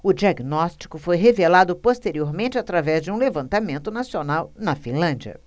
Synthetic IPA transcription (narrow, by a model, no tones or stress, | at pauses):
ʊd͡ʒiaɡnɔst͡ʃi̥kʊfojɦevelad̪ʊpost̪eɾioɾmẽnt͡ʃɪat̪ɾavɛzd͡ʒɪũlevɐ̃nt̪amẽnt̪ʊnasionawnɐfĩlɐ̃d͡ʒiɐ̰